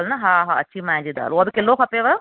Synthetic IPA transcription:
lnɐɦaːɦaɐ̰t͡ʃːimaːd͡ʒid̪a̰ːluɐd̪ukːelːoːkʰɐpːeːʋɐɾ

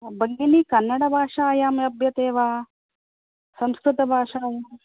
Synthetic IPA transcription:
bɐɡɡiniːkɐnːɐɽɐbʱaːʂaːjaːmɐbʱjɐt̪eːʋaː | sɐmskɾut̪ɐbʱaːʂaːja

